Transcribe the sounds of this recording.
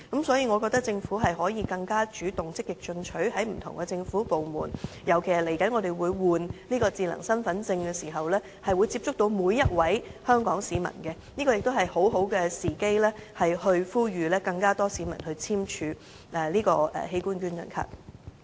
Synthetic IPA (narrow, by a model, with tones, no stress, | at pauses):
kɐ˨˥msɔː˨˥jiː˧ŋɔː˨˧kɔː˧k̚t̪ɐ˥k̚t͡sɪ˧ŋfuː˨˥ɦɐ˨jɦɔː˨˥jiː˨˧kɐ˧ŋkaː˥t͡ʃyː˨˥t̪ʊ˨ŋt͡sɪ˥k̚ːɪ˨k̚t͡ʃɵ˧nt͡ʃʰɵ˨˥ɥhɐ˨˥jm̩˨˩t̪ʰʊ̰˨˩ŋkɛ˧t͡sɪ˧ŋfuː˨˥po˨wmuː˨˩njɐ˨˩wkʰe˨˩sɐ˨˩le˨˩jkɐ˨˥nŋɔː˨˧d̪e˨jwuː˨˧jwuː˨nniː˥kɔː˧t͡siː˧lɐ̰˨˩ŋsɐ˥nfɐ˨˥nt͡sɪ˧ŋkɛː˧siː˨˩ɦɐ˨wlɛː˥ | hɐ˨jwuː˨˧jt͡siː˧p̚t͡ʃʊ˥k̚t̪o˧wmuː˨˧jːɐ˥t̚wɐ˨˥jhœː˥ŋkɔː˨˥ŋsiː˨˥mɐ̰˨˩nkɛ˧niː˥kɔː˧jɪ˨k̚t̪o˥wɦɐ˨jho˨˥wɦo˨˥wkɛ˧siː˨˩ke˥jlɛː˥hɐ˨jhɵ˧ɥfuː˥jɥyː˨˧lɛː˥kɐ˧ŋkaː˥t̪ɔː˥siː˨˥mɐ˨˩nhɵ˧ɥt͡sʰiː˥mt͡ʃʰyː˧ | ʔɛː˨liː˥kɔː˧ʔɛ̰ː˨he˧jkuː˥nkyː˥njɐ̰˨˩nkʰa̰ː˧k̚